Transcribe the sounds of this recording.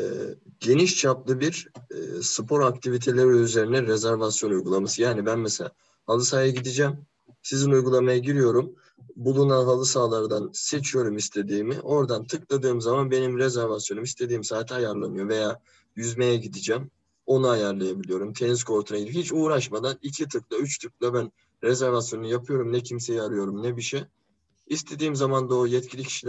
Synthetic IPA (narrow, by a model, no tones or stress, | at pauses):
ɛ̰ːɟe̞niʃt͡ʃʰaplˠɯbiɾ̰ | sɯpʰo̞ɾakt̪ʰivit̪ʰe̞lʲeɾiyze̞ɾinɛɾezæɾvasjo̞nujɡulˠamasɯjaːnibænmeselʲa | halˠɯsaːjaɟid̪id͡ʒɛm | sizinujɡulˠamajaɟiɾijo̞ɾum | bulˠunanɦalˠɯsaːlˠaɾd̪anse̞t͡ʃʰijo̞ɾumist̪ʰe̞d̪iːmḭʔo̞ɾd̪ant̪ʰɯklˠad̪ɯːmzamanbe̞nimɾezæɾvasjo̞numist̪ʰe̞d̪iːmsaːt̪ʰajaɾlˠamɯjo̞ve̞jaː | jyzmejɛɟid̪id͡ʒæm | o̞nuajaɾlˠajabilʲijo̞ɾumt̪ʰe̞nizkʰo̞ɾt̪ʰunaɟid̪iphit͡ʃuːɾaʃmad̪anicʰit̪ʰɯklˠayt͡ʃt̪ʰɯk̚lˠabæn | ɾɛzɛɾvasjo̞nujapʰɯjo̞ɾumnɛcʰimse̞jiaɾɯjo̞ɾumnɛbiʃɛ | ist̪ʰe̞d̪iːmzamand̪aojɛt̪cʰilʲicʰi̥ʃilʲ